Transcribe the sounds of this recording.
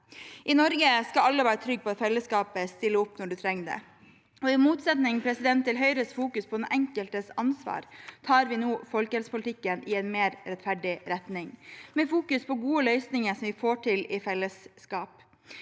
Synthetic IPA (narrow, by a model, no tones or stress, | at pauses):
ʔɪnɔɾɡəskɑɑlːəʋæːɾət̪ʰɾʏɡ̚pʰɔːt̪fɛlːəskɑːpəst̪ɪlːəʊpnɔɖʉt̪ʰɾɛŋːɖ̪ɛ̰ | ɔɪmuːt̪sɛt̪nɪŋpʰɾɛsɪd̪ɛnt̪ʰːɪlɦœʏɾəst̪fuːkʉspʰɔnʔɛŋkəlt̪əsɑnsʋɑ̰ːɾt̪ʰɑːɾʋɪnuːfɔlkəɛlspʰʊlt̪ɪkːənʔɪɛɪnmeːɾɾɛt̪fæɖɪɾɛt̪nɪŋmɛfuːkʉspʰɔɡuːəlœʏsnɪŋəsɔmʋɪfoːʈʰɪlɪfɛlːəskɑːp